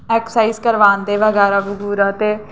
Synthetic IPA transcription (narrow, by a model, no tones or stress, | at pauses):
ɛːksaːizkəɾʋaːnd̪eːʋəɡɛːɾaːbʊɡuːɾaːt̪eː